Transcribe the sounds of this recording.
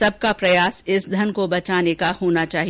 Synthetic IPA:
sɐb̚kapɾɐjaːsɪsd̪ʱɐnkobɐt͡ʃaːnekahoːnat͡ʃaːɦi

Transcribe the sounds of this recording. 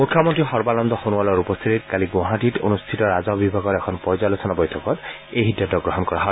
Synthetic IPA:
mukʰːjɔmɔntɹixɔɹbalɔmd̪ɔxonualɔɹupɔst̪ʰititkaliɡɔ̃ɦatito̰nust̪ʰitɔɹazɔbibʱaɡɔtɛkʰɔnpɔɹzalosʰɔnabɔjtʰɔkɔt | ejɦidjatɔɡɹɔɦɔnkɔɹaɦɔ

